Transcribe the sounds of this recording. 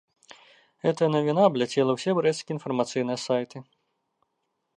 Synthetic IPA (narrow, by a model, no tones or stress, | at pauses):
ɣɛt̪ɐjɐnɐvʲinablʲat͡sʲɛlˠɐwsʲɛbɾɛskʲiinfɐrmat̪sɨjnɨjɐsajt̪ɨ